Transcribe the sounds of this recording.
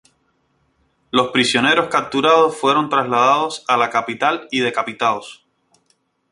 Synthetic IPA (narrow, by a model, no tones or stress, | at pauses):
lo̞spɾisjo̞ne̞ɾo̞skap̚t̪uɾaðo̞sfwe̞ɾo̞nt̪ɾazlaðaðo̞salakapit̪alið̞e̞kapit̪aos